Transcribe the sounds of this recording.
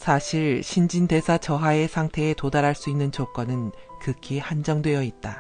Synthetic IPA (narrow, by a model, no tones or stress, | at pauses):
sʰaɕʰiɭɕʰind͡ʑinde̞sʰat͡ɕʌɦae̞sʰaŋtʰe̞ːtodaɾaɭs͈uinːɯnt͡ɕok͈ʌnɯnkɯkʰihand͡ʑʌŋdwe̞jʌit̚t͈a